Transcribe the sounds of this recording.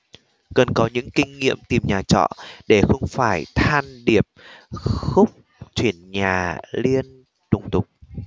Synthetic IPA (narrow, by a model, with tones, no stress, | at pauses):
kə˨˩nkɔ˨˦ɲɨ̰˧˥ŋkï˧ŋ̟ŋḭ˧˨əmt̪i˨˩mɲaː˨˩t͡ɕɔ̰˧˨ɗe˧˩xə˧wŋ͡mfaː˧˩jt̪ʰaː˧nɗi˨˩əp̚xʊ˦˥k͡p̚ | t͡ɕwi˧˩ənɲaː˨˩li˧ən | t̪ʊ˨˩ŋ͡mt̪ʊ˨˩k͡p̚